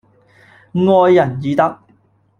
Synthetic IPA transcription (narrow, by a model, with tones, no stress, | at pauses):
ŋɔː˧jːɐ˨˩njiː˨t̪ɐ˥k̚